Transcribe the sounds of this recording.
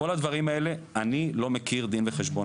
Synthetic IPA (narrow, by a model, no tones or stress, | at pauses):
o̞lad̪vaʁimae̞le̞anilo̞mekiʁd̪inveχeʃbo